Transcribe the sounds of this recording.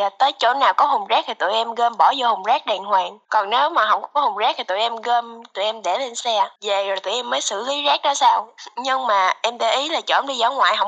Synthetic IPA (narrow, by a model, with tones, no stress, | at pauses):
aː˨˩t̪əː˨˦jt͡ɕo̰˧˥nːaː˨˩wkɔ˨˦hʊ˨˩wŋ͡mzaː˦˥k̚t̪ʰi˨˩t̪ṵ˧˨jʔɛ˧mɣəː˧mɓɔ˧˩zɔ˧hʊ˨˩wŋ͡mzaː˦˥k̚ɗɛ˨˩nhwɛː˨˩nkɔ˨˩nne˨˦wmaː˨˩ɦə̰˧˩wŋ͡mŋ͡mkɔ˦hʊ˨˩wŋ͡mzɛː˦˥k̚t̪ʰi˨˩t̪ṵ˧˨jʔɛ˧mɣəː˧mt̪ṵ˧˨jʔɛ˧mɗe˧˩le˧nsɛ˧ve˨˩zo˨˩jt̪u˧˨ʔɛ˧mːəː˨˦jsɨ̰˧˨li˨˦zaː˦˥k̚ɗɔ˨˦saː˧wɲɨ˧ŋmaː˨˩ʔɛ˧mɗə˨˩ʔi˨˦laː˨˩t͡ɕo̰˧˥˦nɗi˧zɔ˨˦ŋwa̰ː˧˨jɦə˧˩wŋ͡m